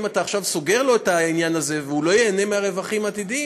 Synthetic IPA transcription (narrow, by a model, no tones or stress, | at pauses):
mat̪aːχʃavso̞ɡe̞ʁlo̞et̪ainjanaze̞veulo̞jeːne̞meaʁe̞vaχimat̪id̪i